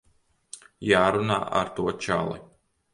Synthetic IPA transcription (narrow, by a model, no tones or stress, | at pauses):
jaːɾuna̰ːʔa̰ɾt̪uɔt͡ʃa̰lˠḭ